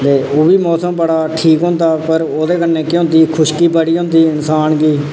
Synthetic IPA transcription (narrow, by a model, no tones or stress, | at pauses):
t̪eːoːbiːmɔːsəmpəɽaːʈʰiːkɦʊ̃ːnd̪aːpəɾoːd̪eːkənːẽːkɪʊ̃ːnd̪iːkʰʊʃkiːpəɽiːɦʊ̃nd̪iːɪnsaːnɡiː